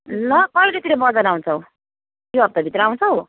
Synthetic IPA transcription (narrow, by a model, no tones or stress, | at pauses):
lʌkʌilet̪iɾʌbʌd͡zʌnaw̃t͡sʰʌw | joʌb̚t̪ʌbʱit̪rʌaw̃t͡sʰʌw